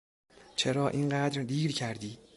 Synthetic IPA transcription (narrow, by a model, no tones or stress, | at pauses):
t͡ʃʰeɾɒːʔiːŋɢæːd̪ɾd̪iːɾcʰæɾd̪iː